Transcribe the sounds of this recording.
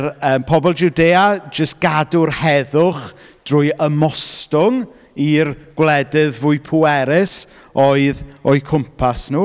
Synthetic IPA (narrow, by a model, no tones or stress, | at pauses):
rəːmpʰɔbɔlˠd͡ʒudeːad͡ʒəst̚ɡ̥adʊrhɛðʊχd̥rʊːjəmɔstʊŋ | irɡ̥wlˠɛdɪðvʊɨpʰuɛɾɪs | ɔɨðɔjkʰʊmpʰasnuː